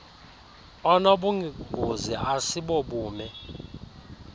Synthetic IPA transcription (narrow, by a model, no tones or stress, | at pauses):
ɔnoɓuŋiɡ̥ʱuziasiɓɔɓuːmɛ